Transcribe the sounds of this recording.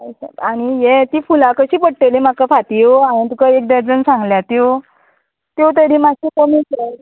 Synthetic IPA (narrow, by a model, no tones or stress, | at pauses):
ajɕaaɽ̃ijet̪iːfulakəɕiːpəɽʈelim̤akafat̪ioaj̃ĩt̪̬ukaek̚d̪əɾd͡zənsãŋɡljat̪ow | t̪ot̪̬əɾĩmaɕiːkomike